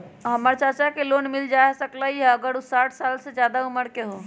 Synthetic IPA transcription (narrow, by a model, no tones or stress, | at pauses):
ɦəməɾt͡ʃaɾt͡ʃakelonmild͡ʒasəklaɦiɛəɡəɾusaʈʰsalsed͡ʒjad̪auməɾkeɦo